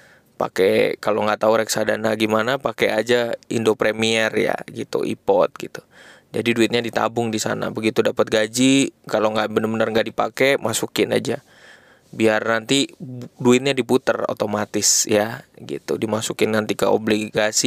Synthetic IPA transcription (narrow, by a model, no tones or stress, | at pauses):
pa̰kɛkaloŋɡaʔt̪auɾɛksadanaɡimanapakɛad͡ʒaindopɾemiɛrja̰ɡit̪ṵʔḭpɔt̪̚ɡit̪u̥ | d͡ʒa̰diduɪt̪̚ɲadit̪a̰bʊŋdisa̰na̰bəɡit̪udapət̪̚ɡad͡ʒikaloŋɡaʔbənəbənərŋɡaʔdipa̰kɛmasukɪna̰d͡ʒa | biarnant̪iduɪt̪̚ɲadiput̪əro̰t̪omat̪ɪsjaɡḭt̪ṵdimasukɪnnant̪ikəobliɡasi